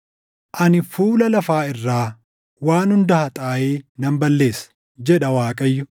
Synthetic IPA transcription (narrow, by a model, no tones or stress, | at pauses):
ʔɐnɪfuːlɐlɐfaːɪrːaː | waːnhʊnd̪ɐhɐt̪ʼaːjeːnɐmbɐlːe̞ːsɐ̥ | d͡ʒɛᶑɐwaːkʼɐjːʊ